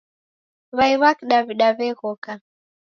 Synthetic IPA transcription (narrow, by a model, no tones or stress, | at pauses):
βaiβakiɗaβiɗaβɛɣɔka